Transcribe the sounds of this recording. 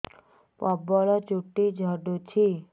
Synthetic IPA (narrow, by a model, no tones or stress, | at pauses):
pɔbɔlɔt͡ʃuʈːid͡ʒʱəɖut͡ʃʰi